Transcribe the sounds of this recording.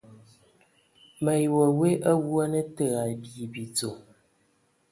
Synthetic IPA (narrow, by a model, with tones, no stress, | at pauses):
mə˨jwə˨we˦ʔə˦wwɔ˦nə˦tə˦˨a˨bi˨bi˨t͡so˨